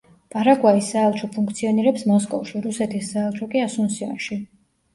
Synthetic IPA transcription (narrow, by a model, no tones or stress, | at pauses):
pʼaɾaɡwaisːaːlˠt͡ʃʰɔpʰuŋk̚ʰt̪sʰiɔniɾɛpsmɔskʼɔvʃiɾusɛt̪ʰisːaːlˠt͡ʃʰɔkʼiasunsia̰nʃi